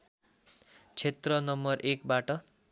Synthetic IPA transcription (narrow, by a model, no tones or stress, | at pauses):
t͡sʰet̪rʌnʌmbʌrʔekbaʈʌ